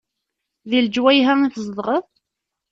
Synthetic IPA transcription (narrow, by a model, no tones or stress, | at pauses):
ðild͡ʒwæjɦæiθəzˤəðˤʁəð